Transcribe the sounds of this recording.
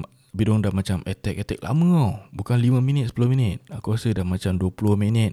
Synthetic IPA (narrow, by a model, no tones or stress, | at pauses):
bidɔŋdamat͡ʃamɛt̪ɛk̚ɛt̪ɛk̚lʔa̰mə̃obukanlimə̃minit̪̚sə̥pulohminɪt̪̚akuasədamat͡ʃamduəpulʊhminɪt̪̚